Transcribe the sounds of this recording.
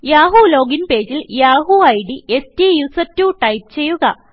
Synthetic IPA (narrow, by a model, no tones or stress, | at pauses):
jaːɦuloːɡinpe̞ːd͡ʑiljaːɦuɐjɽiʔestijusɐtːuʈɐjp̚t͡ɕe̞jːuɣɐ